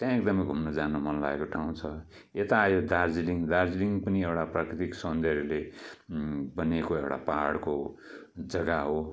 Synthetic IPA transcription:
t̪jãek̚d̪ʌmʌjɡʱumnʌd͡zanumʌnla̰ɡekoʈʰaũt͡sʰʌ | et̪aːjod̪ard͡ziliŋd̪ard͡ziliŋɡpʌniewʈaprakrɾit̪iksʌnd̪erle | bʌnekoewʈa̰paaɽko | d͡zʌɡaɦo

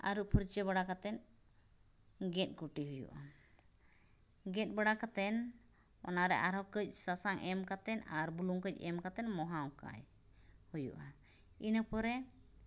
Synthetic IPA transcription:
a̰ɾuʔpʰuɾt͡ʃəβaɽakat̪ɛn | ɡɛt̪̚ˀkuʈiɦujṵʔa | ɡɛt̪̚ˀbəɽakat̪ɛn | ɔ̰naɾɛʔaɾɦɔkəc̚ˀsasaŋʔɛmkat̪ɛnaɾbuluŋkəc̚ɛmkat̪ɛnmɔɦawka̰j | hujṵʔa | inəpɔɾɛ

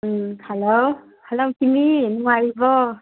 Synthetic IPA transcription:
halow | halowkiminuŋajbɔ

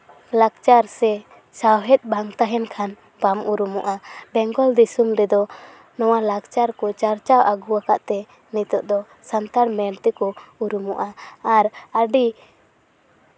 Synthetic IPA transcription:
laɡt͡ʃaɾsɛ | sawɦɛt̪̚ˀbaŋt̪aɦɛnkʰan | pamuɾumɔʔabɛŋɡɔld̪isumɾɛd̪ɔ | nɔwalak̚t͡ʃaɾkɔt͡ʃaɾt͡ʃawʔaɡuakaʔt̪ɛ | nit̪ɔʔ̚d̪ɔ | sant̪aɽmɛɾt̪ɛkɔuɾumɔʔaːɾaɖi

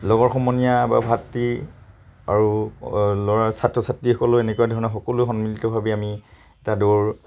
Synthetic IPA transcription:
lɔɡɔɹxɔmɔnijaba̰bʱatɹi | a̰ɹu | lɔɹaɹsatɹɔsatɹixɔkɔlʊenɛkuwadʱɔɹɔnɔxɔkɔluxɔnmilitɔbʱabiami | ɛtadoɹ

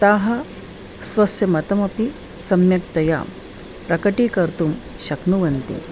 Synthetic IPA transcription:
t̪aːɦɐ | sʋɐsjɐmɐt̪ɐmɐpi | sɐmjɐk̚t̪ɐja̰ː | pɾɐkɐʈiːkɐɾt̪um | ɕɐknuʋɐnt̪ḭ

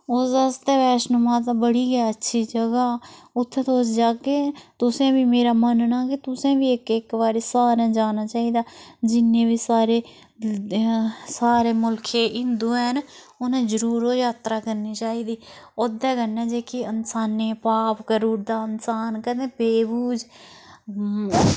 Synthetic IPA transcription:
oːsəst̪eːʋɛːʃnʊmãːt̪ãbəɽiːɡɛːətːʃʰiːd͡ʒəɡaːʊt̪ʰːet̪oːsd͡ʒaːɡeːt̪ʊsẽːbiːmeːɾaːmənnaːkit̪ʊsẽːʋiːɪkɪkʋaːɾeːsaːɾãːd͡ʒaːnaːt͡ʃaːiːd̪aːd͡ʒɪnːẽːʋiːsaːɾeː | saːɾeːmʊlkʰeːʔɪnd̪ũːn | ʊnẽːd͡ʒəɾuːɾoːjaːt̪ɾaːkəɾniːt͡ʃaːiːd̪iːoːd̪ɛːkənːɛːd͡ʒeːkiənsaːneːpaːpkəɾuːɾd̪aːənsaːnkəd̪ẽːpeːbuːd͡ʒ

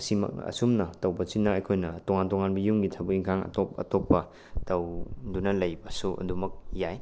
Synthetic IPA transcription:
simɐ̰kɐ̰sumnɐtɐwbɐsinːɐɐjkʰojnɐtoŋantoŋanbɐjumɡitʰɐbuiŋkʰaŋɐ̰topɐ̰topːɐ | tɐwdunɐlɐjbɐsuɐ̰dumɐk̚jaj

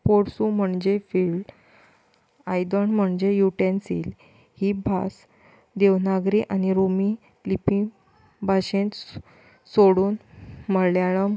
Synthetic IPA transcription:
poɽsum̤əɳd͡ʑefiːlɖ | ajd̪əɳm̤əɳd͡ʑejuʈensiːl | hibʱa̰s | d̪eʋnaɡɾiʔañiɾumi | lipĩ | bʱaɕẽt̪ | soɽuːnməljaɭ̃əm

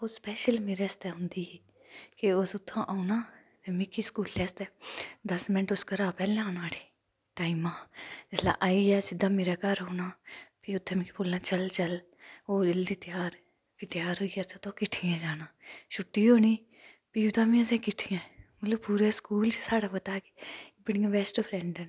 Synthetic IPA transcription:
oːspɛːʃəlmeːɾɛːst̪ɛːɦʊ̃nd̪iːɛː | kɪʊsʊt̪ʰːãːʔːunaː | emɪkːiːskuːlʈɛːst̪ɛːd̪əsmɪnəʈʊskəɾaːpɛːlɛ̃aːnaːɽiː | ʈaːimãːd͡ʒɪslã̰ːʔaːiːɛːsɪd̪aːmeːɾaːkəɾɦoːnaːpiʊt̪ʰːẽːmĩːkipoːlnaːt͡ʃəlt͡ʃəl | oːd͡ʒəld̪iːt̪jaːɾ | kit̪ɪjaːɾɦoːiːaːset̪oːkɪʈʰijãːd͡ʒaːnaːʃʊʈːiːɦoːniː | piːʊt̪ãːmĩːəsẽːkɪʈʰijãːmət̪ləbpuːɾeːskuːlt͡ʃsaːɽaːpət̪aːke̥bəɽĩjãːbɛːsʈpʰɾɛ̃ːɳɖɛn

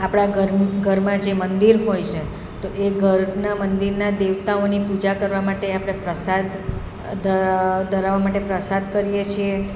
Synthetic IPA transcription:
apɽ̃aɡəɡʱəɾmãd͡ʒemənd̪iɾɦojt͡ʃʰe | t̪oʔeɡʱəɾnamənd̪iɾnad̪eʋt̪aonipud͡ʒakəɾʋamaʈeapɽ̃epɾəsad̪ | əd̪əɾaʋamaʈepɾəsad̪kəɾijet͡ʃʰie

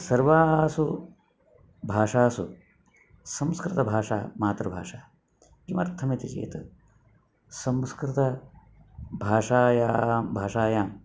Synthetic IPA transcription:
sɐɾʋaːsu | bʱaːʂaːsṵ | sɐmskɾɪt̪ɐbʱaːʂa̰ːmaːt̪ɾɐbʱaːʂaː | kimɐɾt̪ʰɐmit̪it͡ʃḛːt̪ɐ | sɐmskɾɪt̪ɐ | bʱaːʂaːjaːbʱaːʂaːjaːm

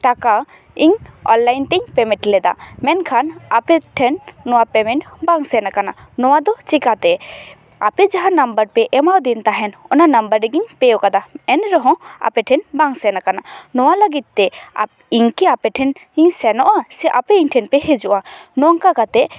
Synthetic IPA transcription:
ʈaka | iɲɔ̰nlajnt̪ɛɲpɛmɛ̃ʈlɛd̪a̰mɛnkʰanapɛʈʰɛnːɔwapɛmɛɳʈbaŋsɛnakananɔwad̪ɔt͡ʃikat̪ɛ | a̰pɛd͡ʒaɦãnambəɾpɛʔɛmawd̪int̪aɦɛnɔnanambəɾɛɡiɲpɛjɔkad̪aɛnɾɔɦɔ̃a̰pɛʈʰɛnbaŋsɛnakananɔwaləɡit̪̚ːɛa̰ | iɲkɛapɛʈʰɛniɲsɛnɔʔasɛʔapɛiɲʈʰɛnpɛɦed͡ʒuʔanɔŋkakat̪ɛʔ

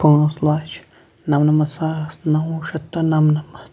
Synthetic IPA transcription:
kõõslat͡ʃ | nãmnãmãsasnãũʃat̪anãmnãma

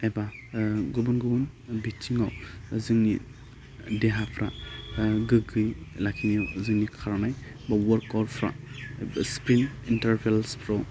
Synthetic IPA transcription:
ebaɡubunɡubun | bit͡ʃiŋawzɯŋnḭ | deɦapʰɾa | ɡɯɡɯjlakʰiŋiɔzɯŋnikʰaɾnaj | bawɔɾkɔɾpʰɾa̰ | spɾinintaɾpʰelspʰɾɔw

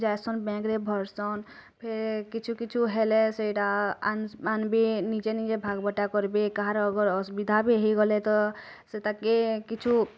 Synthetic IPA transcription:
d͡ʒajsɔnbɛ̃kɾebʱɔɾsɔn | pʰeɾkit͡ʃʰukit͡ʃʰuɦeleseiʈananbʱinit͡ʃenit͡ʃebʱaɡbəʈakɔɾbekaɦaɾɔɡəɾsubid̪ʱabʱiɦiɡɔlet̪ɔ | set̪akːekit͡ʃʰu

